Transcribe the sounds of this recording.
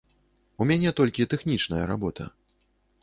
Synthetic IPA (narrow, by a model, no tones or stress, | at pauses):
umʲanʲɛt̪ɔlʲkʲit̪ɛxnʲit͡ʂnɐjɐɾabɔt̪ʰɐ̰